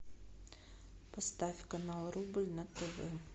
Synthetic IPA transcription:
pɐst̪afʲkɐnalˠɾubɨlʲnat̪əvɘ

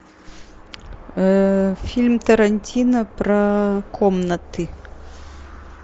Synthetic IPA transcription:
fʲilʲmt̪ɐɾɐnʲtʲinɐpɾɐkʰɔmnɐt̪ɨ

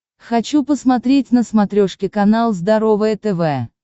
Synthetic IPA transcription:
xɐt͡ɕupəsmɐt̪ɾʲetʲnəsmɐt̪ɾʲoʂkʲɪkɐnalˠzd̪ɐɾovəjət̪ɛvɛ

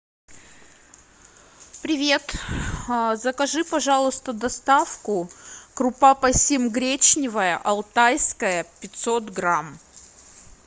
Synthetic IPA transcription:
pɾʲɪvʲet̪ | zəkɐʐɨpɐʐalˠəst̪əd̪ɐst̪afkʊkɾʊpapɐsʲimɡɾʲet͡ɕnʲɪvəjəʔɐlˠt̪ajskəjəpʲɪt̪sot̪ɡɾam

